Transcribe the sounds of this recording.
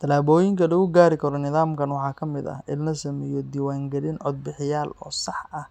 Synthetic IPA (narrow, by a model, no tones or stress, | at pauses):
t̪ʰɐlaːβɔːjɪŋkʰɐlɐɣʊɡaːɾɪkʰɐɾɔnɪðaːmkʰɐnwɑħɑːkʰɐmɪd̪ɐ̰ʔɪnnɐsɐmɛːjɔd̪iːwaːŋɡɐlɪnʕɔd̪̚bɪħɪjaːlɔ̰ːsɑħɐh